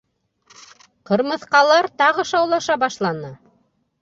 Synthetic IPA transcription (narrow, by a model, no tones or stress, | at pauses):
qɤ̆ɾmɤ̆θqɑlˠɑɾt̪ɑʁɤ̆ʃɑwlˠɑʃɑbɑʃlˠɑnɤ